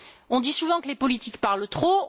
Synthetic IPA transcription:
ɔ̃d̪isuvɑ̃kəlepɔlit̪ikpaʁlt̪χo

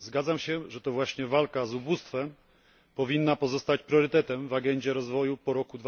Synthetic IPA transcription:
zɡad̪zamɕɛʐɛt̪ɔvwaɕɲɛvalkazubust̪fɛm | pɔvʲinːapɔzɔst̪at͡ɕpɾjɔɾɘt̪ɛt̪ɛmvaɡɛɲd͡ʑɛɾɔzvɔjupɔɾɔkud̪v

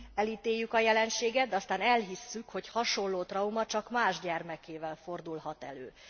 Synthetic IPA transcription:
ɛliːt̪eːjːykɒjɛlɛnʃeːɡɛt̪d̪ɛɒst̪aːnɛlɦisːykho̞chɒʃo̞llːoːt̪rɒumɒt͡ʃɒkmaːʒɟɛrmɛkeːvɛlfo̞rd̪ulɦɒt̪ɛ̰lø̰ː

